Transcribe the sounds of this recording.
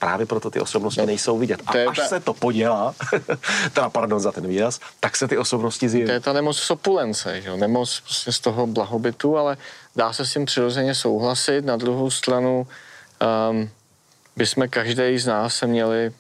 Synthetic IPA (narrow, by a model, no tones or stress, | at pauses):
pɾa̰ːvjɛpɾot̪ot̪ɪ̰ʔosobnoscɪnɛjsowvɪɟɛt̪at̪ojɛaʃssɛt̪opoɟɛlaː | t̪ɛdapaɾdonzat̪ɛnviːɾast̪aksɛt̪ɪʔosobnoscɪzjɛvojɛt̪anɛmot͡ssopulɛnt͡sɛ̰ʒɛonɛmot͡spɾoscɛst̪o̞ɦoblaɦobɪt̪ualɛdaːsɛscimpr̥ɪɾo̞zɛɲɛs̬o̞wɦlasɪt̪nad̪ɾuɦowst̪ɾanu | bɪsmɛkaʒdɛjznaːsːɛmɲɛlɪ